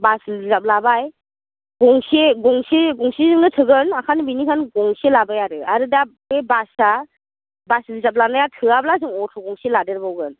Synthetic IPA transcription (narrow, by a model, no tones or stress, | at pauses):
baszap̚labaj | ɡ̥ɔŋseɡɔŋseɡɔŋsizɯŋɯtʰɯɡɯnakʰanɯbinikʰanɡɔŋselabajaɾɯaɾɯda | ebasa | baslizap̚lanajatʰɯablazɯŋɔtʰɔɡɔŋseladeɾbawɡɯn